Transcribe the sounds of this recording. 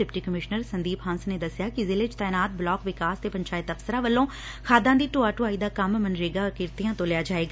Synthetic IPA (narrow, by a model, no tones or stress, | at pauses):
ɪpʈiːkəmɪʃnəɾsənd̪iːpɦãːnsneːd̪əsjaːkɪzɪːlet͡ʃt̪aːnaːt̪̚blɔːkʋɪkaːst̪eːpəɲt͡ʃaːɪt̪əfsəɾãːʋəlːõː | kʰaːd̪ãːd̪iːʈoːaːʈoːaːiːd̪aːkəmmənɾeːɡaːɔːɾkɪɾt̪ijãːt̪õːlɪjaːd͡ʒaːeːɡa